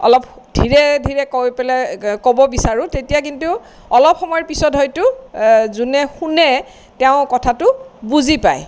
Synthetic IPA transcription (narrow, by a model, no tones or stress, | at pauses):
ɔ̰lɔp̚ | d̥ʱiɹɛdʱiɹɛkopɛlɛkobɔbisaɹʊ̃tetijakintʊ | ɔlɔpxɔmɔjɔɹpisɔtɦɔjtʊzunɛxunɛ | tɛʊ̃kɔtʰatʊbuzipa̰j